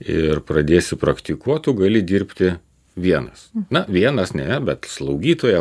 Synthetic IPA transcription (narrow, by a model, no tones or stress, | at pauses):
ɪrpɾɐd̪ʲeːsʲɪpɾɐkt̪ʲɪkuɔt̪uɡɐlʲɪd̪ʲiːɾʲpʲt̪ʲɪ | ʋʲiɛnɐsnɐʋʲiɛnɐsnʲɛbʲɛt̪slˠɐʊɡʲiːt̪oːjɛ